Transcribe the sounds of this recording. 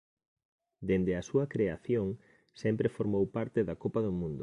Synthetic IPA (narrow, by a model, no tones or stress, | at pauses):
d̪end̪eɐsuɐkɾeaθjoŋ | sɛmpɾefoɾmowpaɾt̪ɪðɐkopɐðʊmũnd̪ʊ